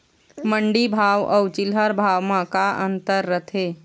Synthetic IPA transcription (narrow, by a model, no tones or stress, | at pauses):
məɳɖibʱaʋɔ̰t͡ʃilɦəɾbʱaʋmãkaʔənt̪əɾːət̪ʰe